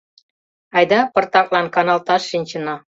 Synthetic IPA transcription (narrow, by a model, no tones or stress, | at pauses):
ɑjd̪ɑpə̆rt̪ɑklɑnkɑnɑlt̪ɑʃːinʲt͡ɕə̆nɑ